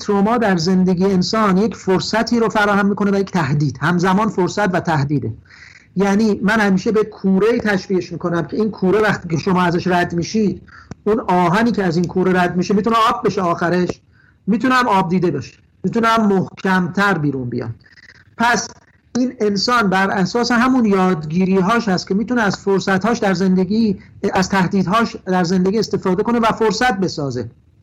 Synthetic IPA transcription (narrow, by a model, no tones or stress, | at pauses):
t̪ʰɾomɒːd̪æɾze̞nd̪e̞ɡʲiːeensɒːnjecʰfoɾsæt̪ʰiːɾofæɾɒːhæmːiːkʰoneæjecʰʲt̪ʰæhd̪iːd̪̥hæmzæmɒːnfoɾsæt̪væt̪ʰæhd̪iːd̪e | jæːniːmænhæmiːʃe̞bekʰuːɾeiːt̪ʰæʃviːeʃmiːkʰo̞næmcʰe̞iːnkʰuːɾevæxt̪iːcʰeʃomɒːæzæʃɾæd̪miːʃid̪̥unɒːɦæniːcʰeæziːnkʰuːɾeɾæd̪miːʃemiːt̪uneɒːb̚ːeʃeɒːxæɾeʃ | miːt̪ʰunæmɒːb̚d̪iːd̪e̞beʃe̥ | mit̪ʰunæmːohcʰæmt̪ʰæɾbiːɾunbḭjɒ̰m | pʰæs | ʔiːne̞nsɒːnbæɾæsɒːse̞ɦæmunjɒːd̪ɡiːɾiːɦɒːʃhæst̪̚cʰe̞miːt̪ʰuneæz̥foɾsæt̪hɒːʃd̪æɾzend̪eɡiæz̥t̪ʰæhd̪iːd̪ɦɒːʃd̪æɾze̞nd̪eɡiːest̪e̞fɒːd̪e̞ko̞ne̞væfoɾsæt̪̚be̞sɒːze̞